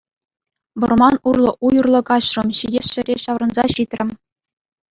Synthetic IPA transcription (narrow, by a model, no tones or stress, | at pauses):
bɤ̆rmɑnurlˠɤ̆ʔujurlˠɤ̆kɑɕrɤ̆mɕijʲesɕɘ̆ɾʲeɕɑʋrɤ̆nzɑɕit̪ʲrʲɘ̆mʲ